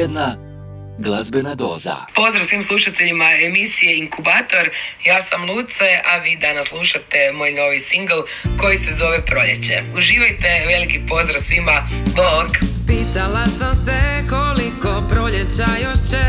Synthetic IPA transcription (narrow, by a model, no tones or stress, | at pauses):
ed̪na | ɡlˠazbenad̪oːza̰po̞zd̪ɾaʋsʋiːmslˠuʃat̪eʎimaemisijeiŋkubaːt̪o̞ɾjaːsamlˠuːt̪seaʋiːd̪anaslˠuʃat̪e̞moːjno̞ʋisiŋɡlˠ | ko̞jisezo̞ʋepɾo̞ʎet͡ɕe̞̰uʒiːʋajt̪e̞ʋe̞likipo̞zd̪ɾasʋimaboːɡpiːt̪alasamsekolikopɾoʎet͡ʃajoʃt͡ʃɛ